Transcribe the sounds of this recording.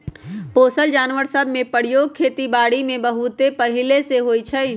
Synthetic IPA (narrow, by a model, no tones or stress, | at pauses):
poːsəld͡ʒaːnʋəɾsəbmẽpəɽ̤joːɡ̚kʰːeːt̪ibaːɽimẽbɐɦʊt̪epɐɦɪleseɦoːit͡ʃʰɐi